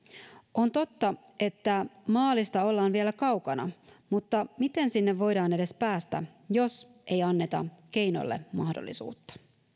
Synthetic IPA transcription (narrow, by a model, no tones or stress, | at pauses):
ʔont̪o̞t̪ːɑ | e̞t̪ːæmɑːlist̪ɑo̞lːɑːnʋielækɑwkɑnɑ̰mut̪ːɑmit̪e̞nsinːeʋʋo̞jdɑːne̞de̞spæːst̪æ̰jo̞s | ʔejɑnːe̞t̪ɑ̰k̟e̞jno̰lːe̞̰mɑhdo̰lːḭsṵːt̪ːɑ̥